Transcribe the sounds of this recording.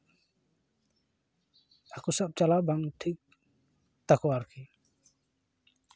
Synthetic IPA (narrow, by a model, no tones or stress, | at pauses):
akusap̚t͡ʃalabaŋʈʰik̚ | t̪akɔwaɾki